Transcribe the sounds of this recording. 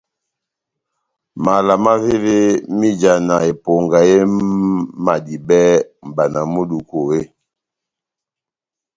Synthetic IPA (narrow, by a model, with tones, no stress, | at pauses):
ma˨la˨ma˦ve˦ve˦mi˦d͡ʒa˨na˨e˨po˨ŋɡa˨je˦ | ma˨di˨bɛ˦m̩˨ba˨na˨mo˦du˨ko˨e˦˨